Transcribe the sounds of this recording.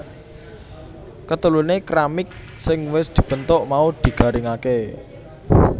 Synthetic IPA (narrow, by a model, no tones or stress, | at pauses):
kət̪ulunekɾamɪk̚ | sɪŋwɪsd̪̥i̤b̥ənt̪ʊʔmaud̪̥i̤ɡ̥ä̤ɾɪŋake